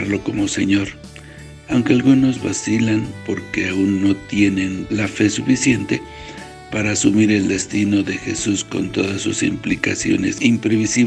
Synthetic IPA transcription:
ɾlo̞ko̞mo̞se̞ɲo̞ɾ | awŋke̞alɣuno̞zβa̰silanpo̞ɾke̞aunːo̞t̪je̞ne̞nlafe̞sufisje̞nt̪e̞̰ | paɾaːsumiɾe̞ld̪e̞st̪ino̞ðe̞xe̞susko̞̰nt̪o̞ðasːusḭmplika̰sjo̞̰ne̞̰simpɾe̞βisi

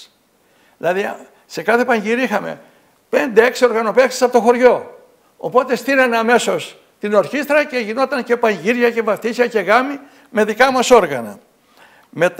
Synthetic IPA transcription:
lɐði | se̞kɐθe̞pɐɲʝiɾiixɐme̞̰ | pe̞nd̪e̞e̞ksio̞ɾɣɐno̞peksi̥sɐpot̪oxo̞ɾʝo̞ | o̰po̞t̪est̪inɐnɐme̞so̞s | t̪ino̞ɾçist̪ɾɐce̞ʝino̞t̪ɐɲce̞pɐɲʝiɾʝɐce̞vɐft̪isɐce̞ɣɐmi | me̞ðikɐmɐso̞ɾɣɐnɐ̰ | me̞t̪

